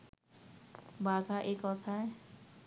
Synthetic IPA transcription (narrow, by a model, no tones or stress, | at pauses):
baɡʱaʔekɔt̪ʰae